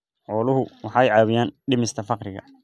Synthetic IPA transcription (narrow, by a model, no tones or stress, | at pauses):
ʕɔːlʊɦʊwɑħɑːɛjʕɑːβɪjaːnɖɪmɪst̪ʰɐfɑqɾɪɣɐ̰